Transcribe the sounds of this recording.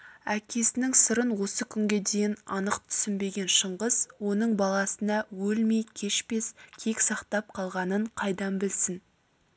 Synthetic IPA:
ækʲe̞sɪnɪŋsəɾənwo̞səkʲʰʏŋɡʲe̞d̪e̞jɪnɑnəqt̪ʰʏ̥sɪnbe̞ɡʲe̞nʃəɴʁəzwo̞nəɴbɑlˠɑsənɑwɵlmejkʲʰe̞ʃpe̞skʲʰe̞ksɑqt̪ɑp̚qʰɑlˠʁɑnəɴqʰɑjd̪ɑmbɪlsɪn

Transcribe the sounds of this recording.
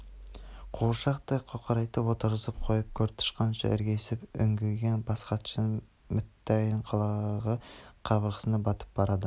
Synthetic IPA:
qʰoʃɑqt̪ɑjqʰoqʰəɾɑjt̪ːəwot̪əɾʁəzəp̚qʰojəp̚kʲʰɵɾt̪ʰʊ̥ʃqɑnʃɑ̰ʔɪ̰ɾɡʲe̞sɪpʏŋɡʲɪlɡʲenbɑsqɑt̪ʃən | mɪt̪ːɑjəɴqʰɑlˠɑʁəqʰɑbəɾʁə̥sənɑbɑt̪ə̥p̚b̥ɑɾɑd̪ə

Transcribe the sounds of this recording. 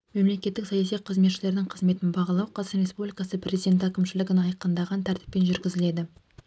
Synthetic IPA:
me̞mle̞kʲe̞t̪ːɪksɑjɑsijqʰəzme̞t̪ʃɪle̞ɾd̪ɪŋɴqʰəzme̞t̪ɪnbɑʁɑlˠɑwqʰɑzɾʲespublʲikɑsəpʰrʲʔe̞zijd̪ʲe̞nt̪ækʲɪmʃɪlɪɡʲɪnɑjqənd̪ɑʁɑnt̪ʰæɾt̪ɪ̥pːe̞nʒʏɾɡʲɪzɪle̞d̪ɪ

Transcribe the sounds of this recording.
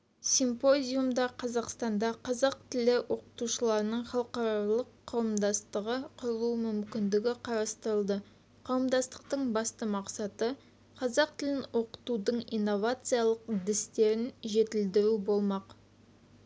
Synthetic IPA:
simpo̞zʲijumd̪ɑqʰɑzɑqst̪ɑnd̪ɑqʰɑzɑq̚t̪ɪlɪwʔo̞qə̥t̪uʃəlˠɑɾənəɴχɑlˠqɑɾɑlˠəqʰːɑwəmd̪ɑst̪əʁəqʰʊɾəlˠumʏmkʲɪnd̪ɪɡʲɪqʰɑɾɑst̪əɾəlˠd̪ə | qʰɑwəmd̪ɑst̪ə̥qt̪əɴbɑst̪əmɑqsɑt̪ə | qʰɑzɑq̚t̪ɪlɪnwo̞qə̥t̪ud̪əɴijnːo̞vat̪sijɑlˠəq̚d̪ɪst̪e̞ɾɪnʒe̞t̪ɪld̪ɪɾubo̞lˠmɑq

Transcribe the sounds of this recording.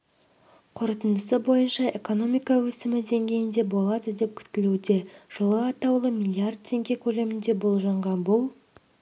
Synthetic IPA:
qʰʊɾət̪ənd̪əsəbo̞jənʃɑʔe̞ko̞no̞mijkɑwɵsɪmɪd̪e̞ŋɡʲe̞jɪnd̪e̞bo̞lˠɑd̪əd̪e̞p̚kʲʰʏ̥t̪ɪlud̪e̞ʒ̥əlˠəɑt̪ɑwlˠəmʲilʲˠiard̪̚t̪ʰːe̞ŋɡʲe̞kʲʰɵle̞mɪnd̪e̞bolˠʒɑɴʁɑnbʊlˠ

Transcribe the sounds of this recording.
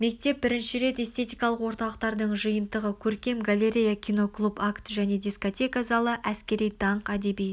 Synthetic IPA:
me̞k̚t̪e̞p̚bɪɾɪnʃɪɾe̞t̪e̞st̪ʰe̞t̪ijkɑlˠəqwo̞ɾt̪ɑlˠəqt̪ɑɾd̪əɴʒɨjənd̪əʁəkʲʰɵɾkʲe̞mɡalʲe̞ɾʲejakʲʰijno̞klˠupakt̪ʒæne̞d̪ʲisko̞t̪ʲe̞kazɑlˠəʔæskʲe̞ɾijd̪ɑɴqæd̪e̞bij

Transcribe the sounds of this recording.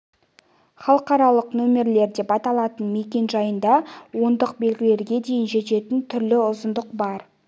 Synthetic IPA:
χɑlˠəqɑɾɑlˠəqnɵme̞ɾle̞ɾd̪e̞pɑt̪ɑlˠɑt̪ənme̞kʲe̞nʒɑjənd̪ɑwo̞nd̪əq̚be̞lɡʲɪle̞ɾɡʲe̞d̪e̞jɪnʒe̞t̪e̞t̪ɪnt̪ʰʏɾlɪʊzənd̪əqbɑɾ

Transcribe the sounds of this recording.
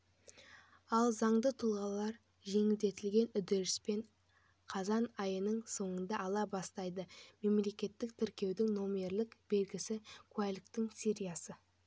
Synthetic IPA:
ɑlˠzɑɴd̪ət̪ʰʊlˠʁɑlˠɑɾ | ʒe̞ŋɪld̪e̞t̪ɪlɡʲe̞nʏd̪eɾɪspe̞ɴ | qʰɑzɑnɑjənəɴso̞ɴənd̪ɑɑlˠɑbɑst̪ɑjd̪əme̞mle̞kʲe̞t̪ːɪk̚t̪ʰɪɾkʲe̞wd̪ɪŋno̞me̞ɾlɪkb̥e̞lɡʲɪsɪkʰualʲɪkt̪ɪŋsʲiɾʲijɑsə

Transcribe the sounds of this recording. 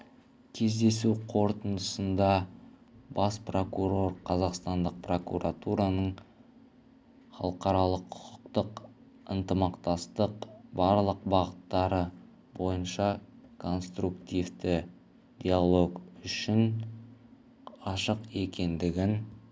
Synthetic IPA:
kʲʰe̞zd̪e̞suqʰo̞ɾt̪ənd̪əsənd̪ɑ | bɑspro̞kuɾo̞rqʰɑzɑqst̪ɑnd̪əq̚pro̞kṵɾʔat̪uɾɑnəɴ | χɑ̰lˠəqɑɾɑlˠəqʰːʊ̥qʊ̥qt̪əq | ə̰nt̪əmɑqt̪ɑst̪əqbɑɾlˠəqbɑʁət̪ːɑɾə | bo̞jənʃɑkʰo̞nst̪rukt̪ʲijvt̪ɪ | d̪̥ʲialˠo̞ɡʏʃɪn | ɑʃəqe̞kʲe̞nd̪ɪɡʲɪn

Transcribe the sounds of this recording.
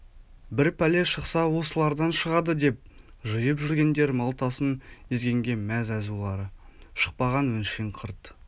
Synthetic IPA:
bɪɾpʰæle̞ʃəqsɑwo̞səlˠɑɾd̪ɑnʃəʁɑd̪əd̪e̞p̚ | ʒəjəpʒʏɾɡʲe̞nd̪e̞ɾmɑlˠt̪ɑsənezɡʲe̞ŋɡʲe̞mæzæzulˠɑɾəʃə̥q̚pɑʁɑnwɵnʃeɴqʰəɾt̪

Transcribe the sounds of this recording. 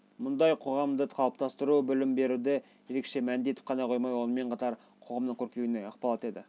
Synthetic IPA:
mʊnd̪ɑjqʰo̞ʁɑmd̪əɑlˠəp̚t̪ɑst̪əɾubʏlɪmbe̞ɾud̪ɪ | je̞ɾe̞kʃe̞mænɪnd̪e̞t̪ɪ̥p̚qʰɑnɑqʰo̞jmɑjwo̞nəme̞ɴqʰɑt̪ɑɾ | qʰoʁɑmd̪əɴŋkʲʰɵɾkʲe̞wɪneɑqpɑlˠɑt̪e̞d̪ɪ

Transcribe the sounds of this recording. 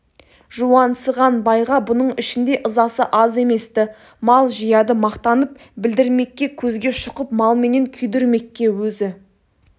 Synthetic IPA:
ʒuwɑnsəʁɑnbɑjʁɑbʊnəɴɪʃɪnd̪e̞ʔəzɑsəʔɑze̞me̞st̪ɪ | mɑlˠʒijɑd̪əmɑqt̪ɑnəp̚ | bɪld̪ɪɾme̞kʲːe̞kʲʰɵzɡʲe̞ʃʊqəpmɑlˠme̞ne̞ŋkʲʰʏjd̪ʏɾme̞kʲːe̞wɵzɪ

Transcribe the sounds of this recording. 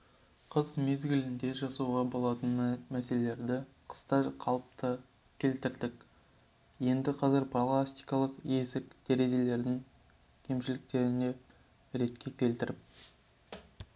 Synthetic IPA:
qʰəzme̞zɡʲɪlɪnd̪e̞ʒɑsuwʁɑbo̞lˠɑt̪ənmæse̞lele̞ɾd̪ɪqʰə̥st̪ɑqʰɑlˠəp̚t̪ə | kʲʰe̞lt̪ɪɾd̪ɪk | je̞nd̪ɪqʰɑzɪɾpʰolˠast̪ijkɑlˠəqje̞sɪk̚d̪̥e̞ɾe̞ʒe̞le̞ɾd̪ɪŋ | kʲʰe̞mʃɪlɪk̚t̪e̞ɾɪne̞ | ɾe̞t̪kʲʰe̞kʲʰe̞lt̪ɪɾɪp̚

